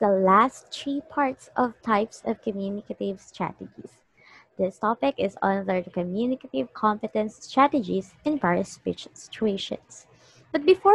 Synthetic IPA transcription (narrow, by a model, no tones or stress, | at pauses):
d̪əlæstt͡ʃipʰɑɹt̪sɔvt̪ʰaɪpsɔvkɔmjunɪkat̪ɪvst̪ɹæ̰t̪ɛd͡ʒḭs | d̪ɪst̪ɔpɪkɪzʌ̰̃nlɛɹt̪kɔmjunɪkat̪ɪvkʰɔ̃mpɛt̪ɛ̃nst̪ɹæt̪ɛd͡ʒisɪ̃nbaɹjəspḭt͡ʃsɪ̥t͡ʃueɪʃɔ̰̃ns | b̥ʌt̪̚bɪfɔ